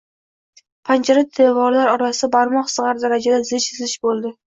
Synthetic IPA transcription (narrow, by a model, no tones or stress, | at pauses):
pʰant͡ʃʰaɾat̪ʰevɒɾlaɾɒɾasɪɪbaɾmɒχsɨʁaɾd̪aɾad͡ʒad̪azɪt͡ʃʰɪzlɪʃbolˠd̪ɪ